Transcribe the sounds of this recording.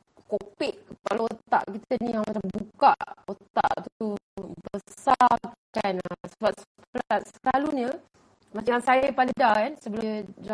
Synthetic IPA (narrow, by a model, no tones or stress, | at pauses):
kopɪʔpaloot̪a̰ʔkit̪ənijaŋmat͡ʃambuka̰ʔot̪a̰ʔt̪ubəsakanasəbaʔs | pəlasəlaluɲə | mat͡ʃaŋjaŋsajəpalidakansəbəlud͡ʒa